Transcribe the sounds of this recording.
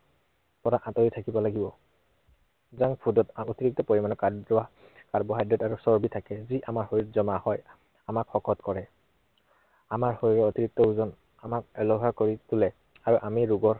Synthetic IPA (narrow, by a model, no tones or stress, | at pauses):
pɔɹaʔatojitʰakibɔlaɡibɔ | zaŋpʰudɔtotiɹik̚tɔpoɹimanɔka | kaɹbɔɦajdɹɔtaɹusɔɹbitʰakɛziʔamaɹhoɹitzɔmahɔj | amakxɔkʰɔtkɔɹɛ | amaɹhoɹiɹɛotiɹik̚tɔuzɔn | amak̚ɛlɔɦakoɹitulɛ | aɹuʔamiɹuɡɔɹ